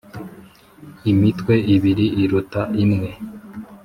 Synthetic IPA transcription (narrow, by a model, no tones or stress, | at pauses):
imitkwe̞iβiɾiːɾutaʔimŋe̞